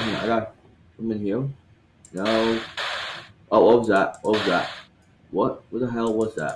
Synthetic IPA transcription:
ɦɨ̃na̰ɪɾaɪ̃ | mɨ̃nhiɹ | noʊ | ʔʌwʌt̚wʌzðæt̚wʌt̚wʌzðæt̚ | wʌt̚wʌðəɦɛlˠwʌzðæ̰t̚

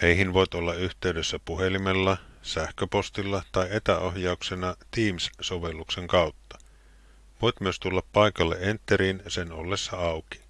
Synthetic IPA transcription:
ejɦinʋo̞jt̪o̞lːɑyht̪e̞ydesːæpuɦe̞limelːɑsæhkøpo̞st̪ilːɑt̪ɑje̞t̪æo̞hjɑuksenɑt̪iːmssoʋe̞lːukse̞ŋkɑuwt̪ːɑ̥ | ʋo̞jt̪myøst̪ulːɑpːɑikɑlːeʔent̪ːeɾiːnseno̞̰lːesːɑɑwki̥

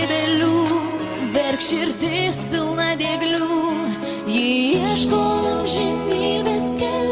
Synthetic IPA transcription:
d̪ʲɛlʲuː | ʋʲɛɾkʃɪɾʲt̪ʲɪspʲɪlˠnɑd̪ʲeɡlʲuː | jiiɛʃkoːlɐmʒʲɛnʲiːbʲɛskʲɛl

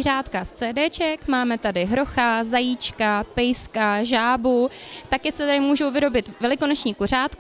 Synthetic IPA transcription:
raːt̪kast͡sɛːdɛːt͡ʃɛkmaːmɛt̪adɪɦɾo̞xazajiːt͡ʃkapɛjskaʒaːbut̪akjɛsɛt̪adɪmuːʒowvɪɾo̞bɪt̪vɛlɪkonot͡ʃɲiːkor̝aːt̪k

